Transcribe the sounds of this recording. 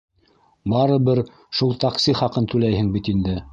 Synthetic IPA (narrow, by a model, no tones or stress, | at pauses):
bɑɾɤ̆βɘɾ | ʃulˠt̪aksʲiχɑqɤnt̪ʉlæjhɘŋbit̪ind̪ɘ